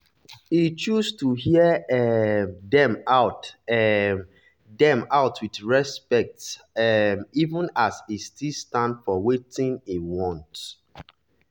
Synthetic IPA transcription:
it͡ʃustuhiəɛdɛ̃maʊtɛ | dɛ̃maʊtʰwiθɹɛspɛk̚t | ɛmivə̃nasistilstãndfɔwetĩŋiwɔ̃nt

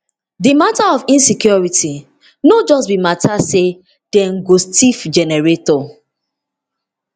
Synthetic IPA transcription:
dimataɔfĩnsikjɔɹiti | nod͡ʒɔstbimatase | d̥ɛ̃ŋɡostifd͡ʒɛnɛɹetɔ

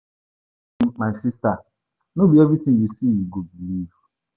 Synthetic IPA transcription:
ŋ͡m̩k͡pansista | nobijɔvitibisiiɡobilivu̥

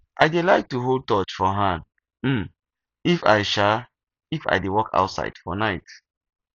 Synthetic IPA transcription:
ʔaɪdelaɪk̚tuɦold̚tɔt͡ʃfɔɦãnd | m̩ | ifa̰ɪʃa | ifa̰ɪjdewɔkʰa̰ʊtsa̰ɪd̥fɔ̰naɪt

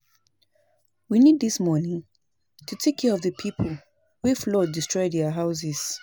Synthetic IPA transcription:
winid̪̚ðismɔɹnĩŋ | tʰutʰekʰɛɹɔvðəpʰipʰəlˠ | wiflɔdistɹ̥ɔjdaəɦaʊs̬ɪz̥

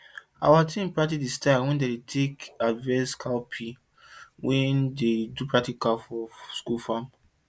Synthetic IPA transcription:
a̰watʰĩmpɹatidistawɛ̃ndedetʰekadvɛskʰalpʰi | wʔɛ̃ndedupʰɹaktikafɔskulfãm

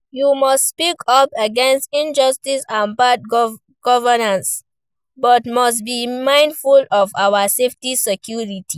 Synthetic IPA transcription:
jumɔstspikʰɔpəɡɛ̃nstĩnd͡ʒɔstisãnbat̚ɡ | ɡ̥ɔvənãns | bɔtmɔs̬tbimãɪ̃ndfulɔvawaseftisɛkʰjuɹitʰi

